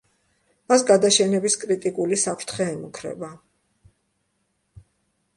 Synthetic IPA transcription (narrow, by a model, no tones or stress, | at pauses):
mas̬ɡad̪aʃɛnɛbiskʼɾit̪ʼikʼulisapʰɾt̪ʰχɛːmukʰɾɛ̰ba